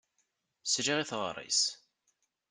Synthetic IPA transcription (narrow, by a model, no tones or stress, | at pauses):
sʒɾiθʁɾˤḭs